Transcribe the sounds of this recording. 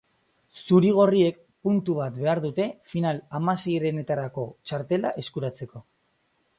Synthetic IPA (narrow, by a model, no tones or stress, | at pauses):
suɾiɣ̞o̞rie̞k̚ | punt̪uβ̞at̪be̞aɾðut̪e̞finalamase̞jɾe̞ne̞t̪aɾako̞t͡ʃaɾt̪e̞la̰ʔe̞skuɾat͡se̞ko̞